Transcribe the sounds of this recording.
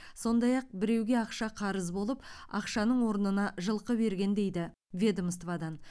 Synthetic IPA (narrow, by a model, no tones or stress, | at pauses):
so̞nd̪ɑjɑq̚bɪɾe̞wɡʲe̞ɑqʃɑqʰɑɾəzbo̞lˠəpɑ̰qʃɑnəɴwo̞ɾənənɑʒəlˠqəbe̞ɾɡʲe̞nd̪e̞jd̪ɪ | vʲe̞d̪omst̪vɑd̪ɑn